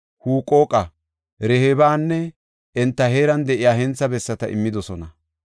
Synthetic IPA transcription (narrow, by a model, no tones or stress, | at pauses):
huːkʼo̞ːkʼɐ | ɾɛhebaːnːɛ | ɛnt̪ːɐhe̞ːɾɐnd̪ɛʔɪjaːhɛnt͡sːɐbɛsːɐt̪ɐʔɪ̰mːɪd̪ɔsɔnɐ